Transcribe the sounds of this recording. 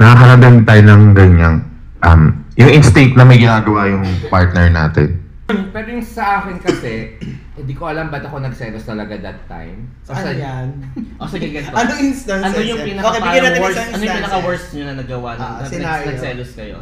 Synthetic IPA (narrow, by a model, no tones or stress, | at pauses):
nɐhɐkɐɾɐnd̪ɪnt̪aːjonɐŋɡɐɲan | ʔɐmjʊŋʔɪnst̪et̪̚nɐmɐjɡɪnaːɡɐwajʊŋpaɹt̪̚nɛɹna̰ːt̪ɪ̰n | mpɛɾojʊŋsɐʔaːkɪnkɐsɛhɪ̃nd̪iːkoʔɐlambɐt̪ɐko̞nɐɡsɛːlost̪ɐlɐɡad̪ɐt̪ːa̰jm | kɐɐjanʔosɪɡɪɡɐnɐnɐɪnst̪ɐnɐnojʊŋpinɐoɐbɪɐɡɐnaːɛɹɐnojpinɐkɐwɛɹsɲonɐnɐɡɐwanɐɪaɐɡsɛloskɐjo̰